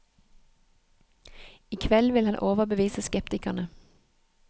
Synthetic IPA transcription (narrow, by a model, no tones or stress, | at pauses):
iːkʰʋɛlʋɪlhɑnʔoːʋəbəʋiːsəskɛpt̪ɪkɑnə